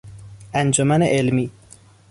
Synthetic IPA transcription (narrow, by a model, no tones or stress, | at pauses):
ænd͡ʒomæneʔelmiː